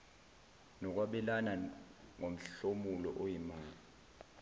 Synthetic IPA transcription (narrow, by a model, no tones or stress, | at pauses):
nɔk̬waɓɛlanaŋom̩ɬomulɔ̰ʔojimaːa